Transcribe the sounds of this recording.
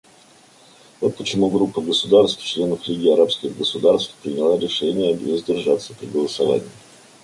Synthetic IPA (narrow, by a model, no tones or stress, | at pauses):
vo̞t̪̚pət͡ɕɪmuɡɾupːəɡəsʊd̪arst̪ft͡ɕlʲe̞nəflʲiɡʲiɐɾapskʲɪɣɡəsʊd̪arst̪fpɾʲɪnʲɪlˠaɾʲɪʂɛnʲɪjəvəzʲdʲɪrʐat̪səpɾʲɪɡəlˠəsɐva̰nʲɪ̰ː